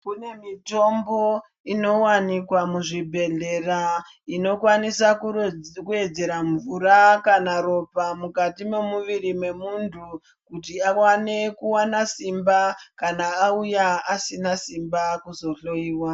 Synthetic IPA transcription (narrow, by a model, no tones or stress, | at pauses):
kune̞mito̞mbo̞ | ino̞wanikwamuʐibʱe̞ɮe̞ra | ino̞kwanisakukue̞d͡ze̞ɾaɱvurakanaɾo̞pamukatime̞muʋirimwe̞muntʰu | kutiawane̞kuwanasimbakanaːujaasinasimbakuzo̞ɬo̞iːwa